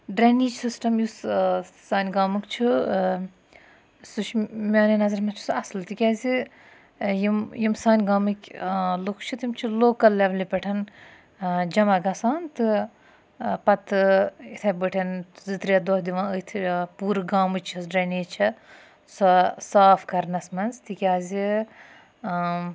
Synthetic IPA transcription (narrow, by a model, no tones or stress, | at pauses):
ɖɾeniːt͡ʃsisʈɐmjussaːnʲɡaːmɨkt͡ʃʰu | suʃmʲaːninɐzɐɾmɐt͡ʃʰu̥sɐslt̪ikʲɛːzi | jimjimsaːnʲɡaːmɨkʲlukʰt͡ʃʰɨt̪imt͡ʃʰiloːkɐlːeʋlipʲɐʈʰɐn | d͡ʒɐmɐɡɐsaːnt̪ɨ | pɐt̪ɨit̪ʰɐbəʈʰɐnzɨt̪ɾiɐd̪ohd̪iʋãːɨt̪ʰpuːɾɡaːmɨt͡ʃʰɐsɖɐniːt͡ʃʰɐ | sɔsaːfkɐɾnɐsmɐnzt̪ikʲaːzi